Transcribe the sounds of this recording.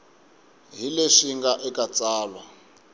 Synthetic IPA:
ɦileʃiŋɡaʔɛkʼat͡sʼaːlwa

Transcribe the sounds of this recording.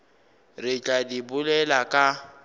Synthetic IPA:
rɪt͡ɬʼadibʊlɛlakʼa

